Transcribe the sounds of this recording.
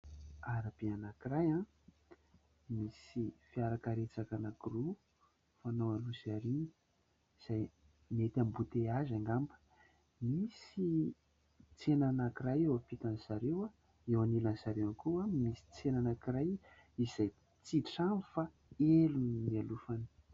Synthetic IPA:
aɾab̥eanakirajã | misifiaɾakaɾet͡sakanakiru | fanowalusaɾini̥ | z̥aj | met̪ambut̪eazaŋɡambə̥ | misi | t͡senanakiɾajewafit̪anzaɾewa | ewanilanzaɾewankuamisi̥t͡senanakiraj | iz̥aj | t͡siʈ͡ʂamifa | elunnialufani̥

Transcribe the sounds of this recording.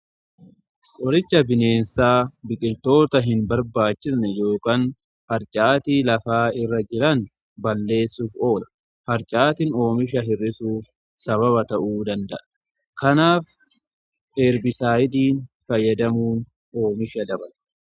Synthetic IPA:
kʼɔɾɪt͡ʃːɐbɪne̞ːnsaːbɪkʼɪlt̪o̞ːt̪ɐɦɪnbɐɾbaːt͡ʃːɪsnɛjo̞ːkaːn | hɐɾt͡ʃʼaːt̪iːlɐfaːɪrːɐd͡ʒɪɾɐn | bɐlːe̞ːsːuːfo̞ːlɐ̥ | hɐɾt͡ʃʼaːt̪ɪno̞ːmɪʃɐɦɪrːɪsuːf | sɐβɐβɐt̪ɐʔuːd̪ɐnd̪ɐʔɐ | kɐnaːf | ʔeːɾbɪsaːjɪd̪iːnfɐjːɐd̪ɐmuːn | o̞ːmɪʃɐd̪ɐbɐl

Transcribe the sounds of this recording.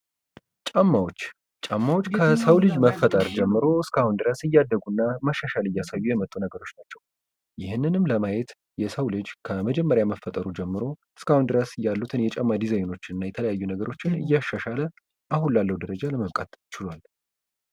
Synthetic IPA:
t͡ʃʼamːawot͡ʃː | t͡ʃʼamːawot͡ʃːkʰəsəwlɨd͡ʒməfːət̪ʼəɾd͡ʒɛmːɨɾo̞ɨskʰahund̪ɨɾəsɨjːad̪ːəɡunːaməʃːaʃalɨjːasajːujɛmət̪ʼːunəɡəɾo̞t͡ʃːnat͡ʃːɛw | jɪhɨnːɨnɨmləmajɛt̪ | jɛsəwlɨd͡ʒkʰəməd͡ʒɛmːəɾjaməfət̪ʼəɾud͡ʒɛmːɨɾo̞ | ɨskahund̪ɨɾəsɨjalːut̪ʰɨnjɛt͡ʃʼamːad̪izajno̞t͡ʃːɪnɨnːajɛt̪ʰələjajːunəɡəɾo̞t͡ʃːɪnɨ̰jːaʃːaʃalə | ʔahunlalːəwud̪əɾəd͡ʒaləməβkʼa̰t̪t͡ʃɪlwal

